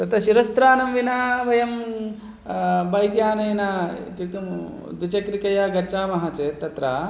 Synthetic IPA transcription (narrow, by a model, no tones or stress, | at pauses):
t̪ɐt̪ɐɕiɾɐst̪ɾaːnɐmʋinaːbɐjɐm | bɐjɡjaːnɐinaːt̪it̪um | d̪ut͡ʃɐkɾikɐjaːɡɐt͡ʃaːmɐɦat͡ʃeːt̪ːɐt̪ɾa